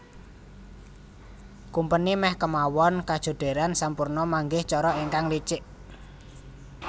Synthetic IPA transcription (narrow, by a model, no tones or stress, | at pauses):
kumpənimɛhkəmawɔnkad̥ʒ̥o̤ɖ̪̥e̤ɾansampurnɔmaŋɡɪht͡ʃɔɾɔiŋkaŋlit͡ʃɪʔ